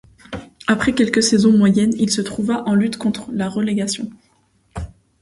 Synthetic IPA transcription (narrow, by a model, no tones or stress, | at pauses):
apχɛkʲɛlkəsɛzɔ̃mwajɛnilsət̪χuvaʔɑ̃lyt̪kɔ̃t̪χlaʁəleɡasjɔ̃